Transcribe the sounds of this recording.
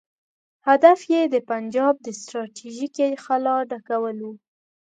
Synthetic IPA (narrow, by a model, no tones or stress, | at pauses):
had̪afjed̪əpand͡ʒɑb̚d̪əst̪ɾɑʈiʒikexalɑɖakawəlwu